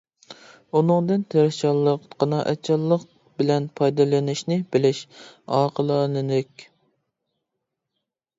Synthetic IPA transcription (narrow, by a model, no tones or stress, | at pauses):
unɨŋd̪ɨnt̪ʰeɾʃɑlˠːəqqʰɑnɑʔɛt͡ʃʰːɑlˠːəq | bɪlɛnpʰɑjd̪ɨlɪnɪʃnɪbɪlɪʃɑːqʰəlˠɑlɨnɪkʲ